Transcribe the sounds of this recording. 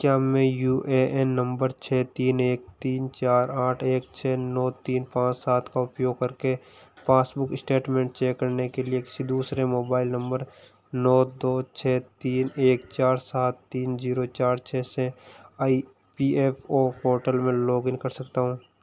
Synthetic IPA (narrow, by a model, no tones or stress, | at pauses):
kjaːmẽjuːʔeʔɛnːə̃mbəɾt͡ʃʰɛːt̪iːneːk̚t̪iːnt͡ʃaːɾaːʈʰeːk̚t͡ʃʰɛːnɔːt̪iːnpãːt͡ʃsaːt̪ʰkaʊpjoːɡ̚kɐɾke | pãːsbʊkɪsʈeːʈmẽːɳʈt͡ʃeːkːəɾnekeliekɪ̥sid̪uːsɾemoːbaːɪlnə̃mbəɾ | nɔːd̪oːt͡ʃʰɛːt̪iːneːkt͡ʃaːɾsaːt̪ːiːnziːɾot͡ʃaːɾt͡ʃʰɛːseaːi | piːeːfʰoːpʰoːʈəlmẽloːɡɪ̃nkɐɾsɐkt̪aɦũː